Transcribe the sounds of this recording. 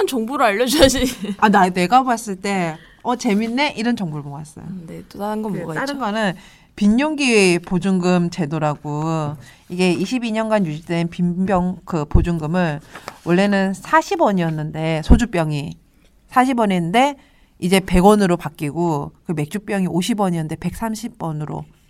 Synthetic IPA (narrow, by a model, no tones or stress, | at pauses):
nt͡ɕʌŋbuɾɯaʎːʌd͡ʑad͡ʑianane̞ɡaas͈ɯɭt͈e̞ | ʌt͡ɕe̞minːe̞ʔiɾʌnt͡ɕʌŋbuɾɯɭmoŋas͈ʌ̰jonet͈odaɾanɡʌmoɡataɾɯnɡanɯn | piɲːoŋɡipod͡ʑuŋɡɯmt͡ɕe̞doɾaɡo | iɡe̞iɕʰibiɲʌnɡanjud͡ʑidwe̞npimbjʌŋkɯpod͡ʑuŋɡɯmɯnwʌɭːe̞nɯnsʰaɕʰibwʌɲiʌnːɯnde̞sʰod͡ʑup͈jʌŋi | sʰaɕʰibʌɲenɯnde̞ | id͡ʑe̞pe̞ɡwʌnɯɾopak͈iɡokɯme̞k̚t͡ɕ͈up͈jʌŋiʔoɕʰibwʌɲiɯnde̞pe̞k̚s͈amɕʰib͈ʌnɯɾo̰